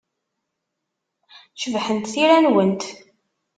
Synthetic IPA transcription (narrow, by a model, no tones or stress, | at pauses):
ʃəvħənt̪θiɾænwənt̪